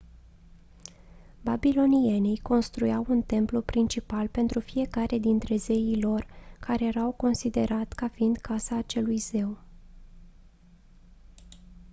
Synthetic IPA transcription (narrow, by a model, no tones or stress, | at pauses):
babilo̞nienejko̞nst̪ɾujawunt̪e̞mplupɾint͡ʃipalpe̞nt̪ɾufije̞kaɾe̞d̪int̪ɾe̞ze̞jilo̞rkaɾe̞jeɾawko̞nsid̪e̞ɾat̪kafiːnd̪kʰasaːt͡ʃe̞lujz̥e̞w